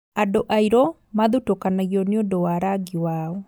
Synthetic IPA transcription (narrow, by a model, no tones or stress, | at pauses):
adoʔaiɾɔ | maðutokanaɣɔneodɔwaɾaɡiwaːɔ